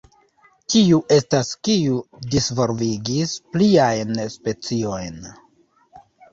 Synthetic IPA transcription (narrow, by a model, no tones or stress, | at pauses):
tiuʔe̞staskiudisvo̞ɾviɡispliajnspe̞t͡sio̞jn